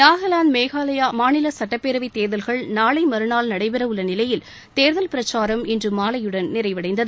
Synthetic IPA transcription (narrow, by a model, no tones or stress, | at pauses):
naːɣɐlaːnmeːɣaːlɐjaːmaːnɪlɐsɐʈːɐpːeɾɐʋit̪eːɾðɐlɣɐɭnaːɭɐɪmɐɾɯnaːlnɐɽɐɪpɐɾɐʋɯɭːɐnɪlɐjɪl | t̪eːɾðɐlpɪɾɐt͡ʃːaːɾɐmɪndrɯmːaːlɐjɯɽɐnnɪɾɐɪʋɐɽɐɪnd̪ɐðɯ